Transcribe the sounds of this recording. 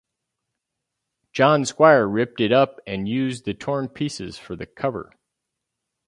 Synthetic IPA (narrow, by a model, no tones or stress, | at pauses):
d̥ʒ̥ɑ̃nskwaɪə˞ɹɪp̚tɨɾʌpɨ̃njʉzðɨtʰɔɹnpʰisɨ̰z̥fə˞ðɨkʰʌvə̰˞